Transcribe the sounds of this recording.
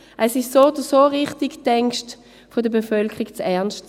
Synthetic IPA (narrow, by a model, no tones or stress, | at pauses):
ʔɛsɪʃsoːd̥usoːʁɪχtiɡtɛŋkʃt | fodəbefœlkʰəʁiɡt͡sɛɐnʃt